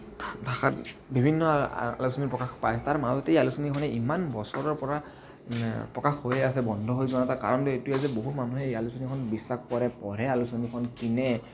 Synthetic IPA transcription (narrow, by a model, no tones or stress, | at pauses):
dʱaxatbibʱinːɔa̰lusonipɹɔkaxpajsɛtaɹmazɔtejalusonikʰɔnɛimanbɔsɔɹɔɹpɔɹa | pɹɔkaxhojɛasɛbɔndʱɔɦojzɔnataɹka̰ɹɔntuetujɛzɛboɦutmanuɦɛalusonikʰɔnbisːaxkɔɹɛpɔɹɛalusonikʰɔnkinɛ